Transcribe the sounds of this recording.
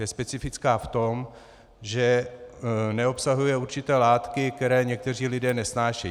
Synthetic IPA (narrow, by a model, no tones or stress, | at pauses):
jɛspɛt͡sɪfɪt͡skaːft̪o̞m | ʒɛ | nɛo̞psaɦujɛuɾt͡ʃɪt̪ɛːlaːt̪kɪk̚t̪ɛɾɛːɲɛk̚t̪ɛr̝iːlɪdɛːnɛsnaːʃɛj